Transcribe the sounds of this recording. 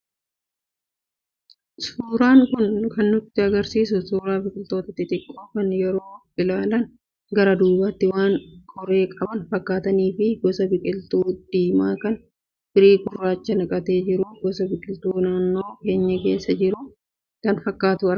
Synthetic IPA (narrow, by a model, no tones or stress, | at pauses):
suːɾaːŋkʊnkɐnːʊt̪ːɪɐɡɐɾsiːsʊsuːɾaːbɪkʼɪlt̪o̞ːt̪ɐt̪ɪt̪ʼɪkʼːoːkɐnjɛɾo̞ːʔɪlaːlɐn | ɡɐɾɐd̪uːbɐt̪ːɪwaːŋkʰʼɔɾe̞ːkʼɐbɐnfɐkːaːt̪ɐniːfɪɡɔsɐbɪkʼɪlt̪uːd̪̥iːmaːkɐn | b̥ɪɾiːɡʊrːaːt͡ʃːɐnɐkʼɐt̪e̞ːd͡ʒɪɾʊɡɔsɐbɪkʼɪlt̪uːnaːnːoːke̞ːɲːɐke̞ːsːɐd͡ʒɪɾʊ | kɐnfɐkːaːt̪ʊɐɾ